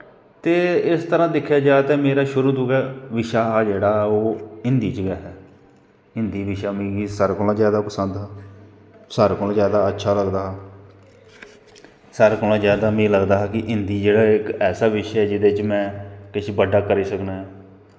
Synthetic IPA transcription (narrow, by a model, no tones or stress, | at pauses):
t̪eːɪst̪əɾãːd̪ɪkʰːjaːd͡ʒaːt̪ɛːmeːɾaːʃʊɾuːd̪ʊkɛːʋɪʃaːɦaːd͡ʒeːɽaːoːɪnd̪iːt͡ʃɡaːɦɛː | ɪnd̪iːʋɪʃaːmĩːɡisəɾkʊlãːzjaːd̪aːpəsənd̪ɦaː | səɾkol̃ːzjaːd̪aːətːʃʰaːləɡd̪aːɦaː | səɾkʊlãːzjaːd̪aːmĩːləɡd̪aːɦaːkɪʔɪnd̪iːd͡ʒeːɽaːɪkɛːsaːʋɪʃɛːd͡ʒɪd̪eːt͡ʃmɛ̃ːkɪʃʰbəɖːaːkəɾiːsəknãːɦɛː